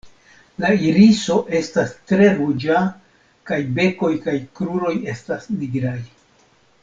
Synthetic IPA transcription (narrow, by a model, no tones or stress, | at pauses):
laiɾiso̞ʔe̞stastɾe̞ɾud͡ʒa | kajbe̞ko̞jkajkɾuɾo̞je̞stasniɡɾaj